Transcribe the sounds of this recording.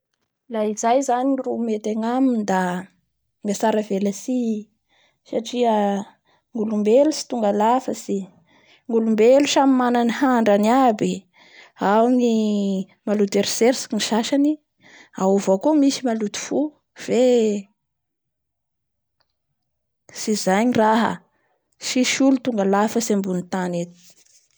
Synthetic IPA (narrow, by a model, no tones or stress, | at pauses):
laizajzanirumet̪eŋamind̪a | ŋasaɾavelasi | saʈ͡ʂiə | ŋɡulumbelusi̥t̪uŋɡalafəsi | ŋɡulumbelusamimananihaɳɖ͡ʐanabi | awni | malut̪eɾseɾsi̥niʃaʃani | auvakomisimalut̪u̥fu | v̥e | sizaɲiraɦə̰ | siʃulut̪uŋɡalafəsembunit̪anet̪i̥